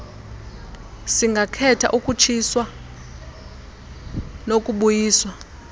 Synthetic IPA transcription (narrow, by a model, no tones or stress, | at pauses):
siŋɡʱakʰɛtʰa̰ʔukʼut͡ʃʰiswa | nokʼuɓujiːswa